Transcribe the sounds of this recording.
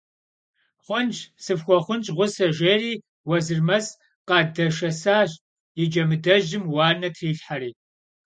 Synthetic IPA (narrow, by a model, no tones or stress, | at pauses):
χʷɔnt͡ʃsɨfxʷɔχʷʊnt͡ʃʼʁʷʊsɐʒeːriː | wɐzɨrmɐs | qɑːdɐʂɐsaːɕʼ | jɪd͡ʒɐmɨdɐʑɪmwɑːnɐtʰriːɬħaɾiː